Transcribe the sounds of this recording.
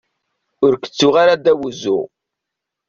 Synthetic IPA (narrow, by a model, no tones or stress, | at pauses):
ʊɾkə̥t͡sːuʁaɾad̪æwuzːṵ